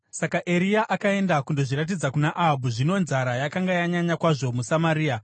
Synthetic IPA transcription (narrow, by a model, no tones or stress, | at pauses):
sakaʔeɾijaʔakae̞ndakundo̞ʐiɾat̬id͡zakunaʔaɦabʱuʐino̞nzaɾajakaŋɡajaɲaɲakwaʐo̞musamaɾiːa